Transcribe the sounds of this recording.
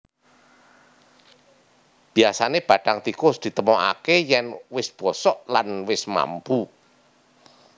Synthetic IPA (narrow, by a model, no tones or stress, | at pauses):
b̥i̤asaneb̥ä̤ɖ̥aŋt̪ikʊsd̪̥i̤t̪əmɔʔa̰kejɛnwɪsb̥ɔsɔʔlanwɪsma̰mpu